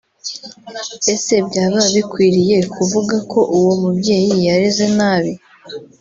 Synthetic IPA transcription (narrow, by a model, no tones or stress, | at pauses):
e̞se̞bɟaːβaβikwiːɾije̞kuvuɡako̞ʔuwomubɟe̞ːjiaɾize̞naːβi